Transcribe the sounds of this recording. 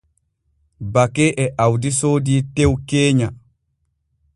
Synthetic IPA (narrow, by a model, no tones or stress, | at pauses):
bakɛʔɛʔawdisoːdiːtewkeːɲa